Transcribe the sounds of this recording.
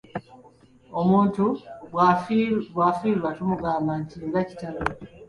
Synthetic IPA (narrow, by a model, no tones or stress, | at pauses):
omuːntuβwaβwaːfiːlwatumuɡaːmbantieɡaci̥talo